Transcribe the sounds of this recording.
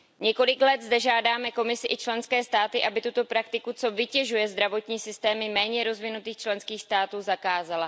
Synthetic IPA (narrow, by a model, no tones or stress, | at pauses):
ɲɛko̞lɪklɛd̪zd̪ɛʒaːdaːmɛko̞mɪsɪʔɪt͡ʃlɛnskɛːst̪aːt̪ɪʔabɪt̪ut̪o̞pɾak̚t̪ɪkut͡so̞vɪcɛʒujɛzd̪ɾavo̞t̪ɲiːsɪst̪ɛːmɪmɛːɲɛɾo̞zvɪnut̪iːxt͡ʃlɛnskiːxst̪aːt̪uːzakaːzala